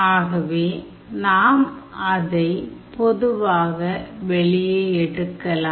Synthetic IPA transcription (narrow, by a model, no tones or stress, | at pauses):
aːɣɐʋeː | naːmɐðɐɪpɔðɯʋaːɣɐʋɛɭɪjeːɛɽɯkːɐlaː